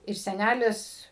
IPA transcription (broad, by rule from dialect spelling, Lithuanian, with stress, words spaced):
ɪr sʲɛˈnʲælʲɪs